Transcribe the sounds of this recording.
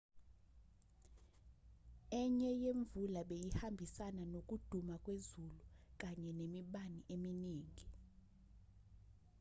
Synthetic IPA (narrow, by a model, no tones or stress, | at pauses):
ɛɲɛjeɱvulaɓejihambʱisananokʼud̥ʱumakʼwezuluk̬ʼaɲɛnemiɓaniʔeminiːŋʱi